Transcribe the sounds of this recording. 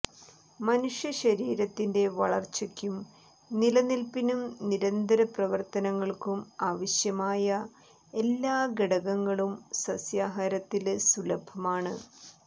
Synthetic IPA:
mɐnuʂjɐɕɐɾiːɾɐt̪ːinde̞ʋɐɭɐrt͡ɕːɐkʲːum | nilɐnilpinumniɾɐnd̪ʱɐɾɐprɐʋɐrt̪ɐnɐŋːɐɭkumaːʋɐɕjɐmaːjɐ | e̞lːaːɡeɽɐɣɐŋːɐɭumsɐsjaːɦɐːɾɐt̪ːilsulɐbʱɐmaːɳɨ

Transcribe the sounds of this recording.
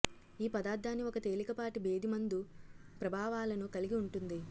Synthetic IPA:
iːpɐd̪aːɾd̪ʱːaːnːiɔkɐt̪e̞ːlikɐpaːʈibe̞ːd̪imɐnd̪upɾɐbʱaːʋaːlɐnukɐliɡiuɳʈund̪i

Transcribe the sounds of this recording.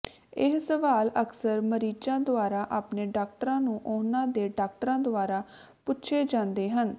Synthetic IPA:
ɪɦsəʋaːləksəɾməɾiːt͡ʃãːd̪ʊaːɾaːʔaːpneːɖaːk̚ʈɾãːnũːʔʊnãːd̪eːɖaːk̚ʈəɾãːd̪ʊaːɾaː | pʊtːʃʰeːd͡ʒãːnd̪eːɦən

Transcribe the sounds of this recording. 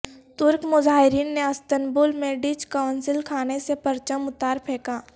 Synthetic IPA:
t̪ʊɾkmʊzaːɦɪɾiːnːeɐst̪ənbʊːlmẽɖit͡ʃkaʊnsɪlkʰaːnesepəɾt͡ʃəmʊt̪aːɾpʰeːkaː

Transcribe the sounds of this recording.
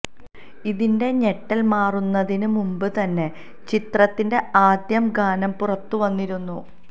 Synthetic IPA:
iðinde̞ɲeʈːɐlmaːrunːɐðinɨmumbɨt̪ɐnːe | t͡ɕit̪rɐt̪ːinde̞aːd̪jɐmɡaːnɐmpurɐt̪ːuʋɐnːiɾunːu

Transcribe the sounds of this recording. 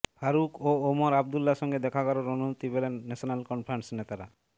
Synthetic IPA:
bʱaɾukoomoɾab̚d̪ulːaʃɔŋɡed̪ɛkʰaɡɔloɾonumut̪ibelenːɛʃonalkɔnpʰɾansnet̪aɾa̰

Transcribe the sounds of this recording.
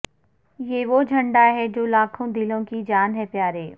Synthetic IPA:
jeːʋod͡ʒʱɐ̃ɳɖaɦɛd͡ʒoːlaːkʰõd̪ɪlõkid͡ʒaːnɦɛpjaːɾeː

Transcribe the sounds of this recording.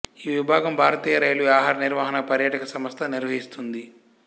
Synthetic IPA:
iːʋibʱaːɡɐmbʱaːɾɐt̪iːjɐɾɐjɐluaːɦaːɾɐniɾʋaːɦɐnɐpɐɾjɐʈɐkɐsɐmɐst̪ʰɐniɾʋɐɦist̪und̪i

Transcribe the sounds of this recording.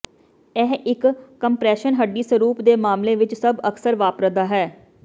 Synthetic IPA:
ɛːɦʔɪkːəmpɾɛːʃənɦəɖːiːsəɾuːpd̪eːmaːmleːʋɪt͡ʃsəbəksəɾʋaːpɾəd̪aːɦɛː

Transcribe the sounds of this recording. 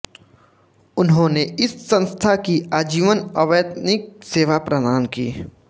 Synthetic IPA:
ʊnɦõːneɪsːə̃nst̪ʰakiaːd͡ʒiːʋənɐʋeːd̪nɪk̚seːʋapɾɐd̪aːnkḭː

